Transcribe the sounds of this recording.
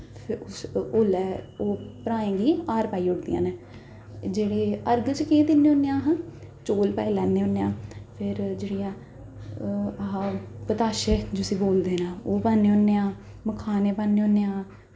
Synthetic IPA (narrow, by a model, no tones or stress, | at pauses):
ʊsoːlɛːoːpɾaːẽːɡiːaːɾpaːiːʊɽd̪ḭjã̰ːneː | d͡ʒeːɽeːəɾɡt͡ʃkẽːd̪ɪnːeːoːnːeãːɦã | t͡ʃoːlpa̰ːilɛːnːeːɦonːeːãːpʰɪɾd͡ʒeːɽijãː | ɦãːpət̪aːʃeːd͡ʒosĩːboːld̪eːnãːoːpaːnːeːɦoːnːeːãː | məkʰaːneːpaːnːeːoːnːeːãː